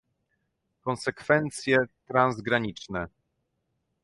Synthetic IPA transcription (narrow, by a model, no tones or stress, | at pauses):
kɔnsɛkfɛnt̪sʲjɛt̪ɾanzɡɾaɲit͡ʂnɛ